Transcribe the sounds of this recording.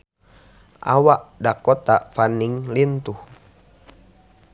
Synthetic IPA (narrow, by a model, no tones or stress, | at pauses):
ʔa̰waʔdakɔt̪afaniŋlint̪uh